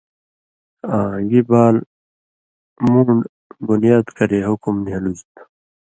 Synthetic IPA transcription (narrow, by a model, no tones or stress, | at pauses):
ãːɡibaːl | muːɳɖ | bunijaːd̪kʌɾeɦukumniɦɐluzt̪